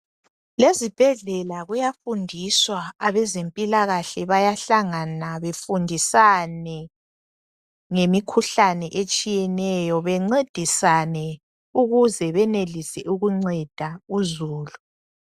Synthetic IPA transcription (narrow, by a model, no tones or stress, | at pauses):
lezib̥ʱɛɮɛlaɣujafundʱiswaːβɛzempʼilaɣaɬɛβajaɬaŋanaβefundʱisanɛ | ŋemikʰuɬanɛʔet͡ʃʼijɛnɛjɔβɛŋ͡ǀed̥ʱisanɛ | uɣuzɛβɛnelisɛuɣuŋ͡ǀɛd̥ʱauzuːlu